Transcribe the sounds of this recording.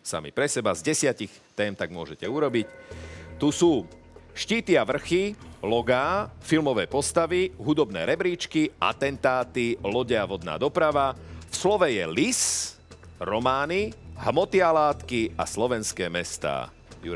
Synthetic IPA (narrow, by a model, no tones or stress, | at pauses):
sa̰mḭpɾɛsɛbazɟɛsɪacix | t̪ɛːmt̪aɡmʊɔʒɛcɛuɾɔbict̪usuː | ʃciːt̪iaʋr̩xilɔɡaːfilmɔʋɛːpɔst̪aʋiɦud̪ɔbnɛːɾɛbɾiːt͡ʃkiʔa̰t̪ɛnt̪aːt̪ilɔɟɛaʋɔd̪na̰ːd̪ɔpɾaʋafslɔʋɛjɛlis | ɾɔmaːniɦmɔt̪ialaːt̪kia̰slɔʋɛnskɛːmɛst̪a̰ː | juɾ